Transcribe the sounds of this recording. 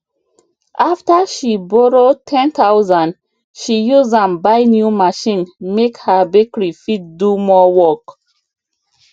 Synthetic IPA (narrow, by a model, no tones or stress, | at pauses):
ʔaftəʃibɔɹotʰɛ̃nt̪aʊzãn | ʃijuzãmbaɪnjumaʃĩnmekhəbekɹifit̚dumɔwɔk